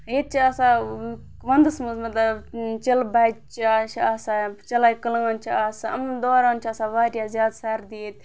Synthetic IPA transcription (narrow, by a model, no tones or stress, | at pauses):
ɦeːt̪̚t͡ʃʰiaːsãː | ʋɐnd̪ɨsmɐzmɐt̪lɐt͡ʃɐlbaːt͡ʃt͡ʃʰiat͡ʃʰaːsat͡ʃɐlaːjkəlŋaːnt͡ʃʰiaːsaɐmd̪oːɾaːnt͡ʃʰaːsãːʋaːɾjaːzjaːd̪saːɾd̪iːt̪